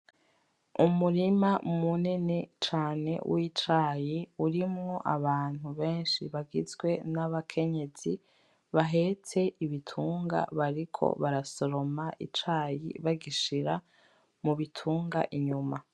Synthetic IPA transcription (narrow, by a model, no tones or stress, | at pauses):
umuɾimamunenet͡ʃaːne̞̰wit͡ʃaːjiuɾimŋo̞ʔaβaːn̥huβe̞ːnʃiβaɡizɡwe̞naβakʰe̞ɲe̞z̥i | βaɦe̞t͡se̞ʔiβitʰuːŋɡa̰βaɾikʰo̰βaɾaso̞ɾo̞maʔḭt͡ʃaːjḭβaɡiʃiɾa | muβitʰuːŋɡaʔiɲuma